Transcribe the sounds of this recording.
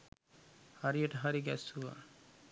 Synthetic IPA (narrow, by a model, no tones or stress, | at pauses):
haɾieʈəɦaɾiɡɛ̰suʋa̰